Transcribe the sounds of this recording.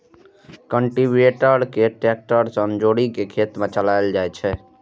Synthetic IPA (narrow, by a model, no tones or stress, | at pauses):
kəɳʈibeʈəɾkeʈɾek̚ʈəɾsənd͡ʒoɽikekʰet̪mẽt͡ʃəlajld͡ʒajt͡ʃʰɛ